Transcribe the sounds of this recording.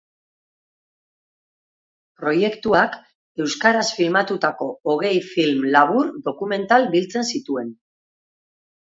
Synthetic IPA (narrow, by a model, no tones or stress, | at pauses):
pɾo̞je̞kt̪uak | e̞wskaɾasfilmat̪ut̪ako̞ːɣ̞e̞jfilmlaβ̞uɾd̪o̞kume̞nt̪albilt͡se̞nsit̪ue̞n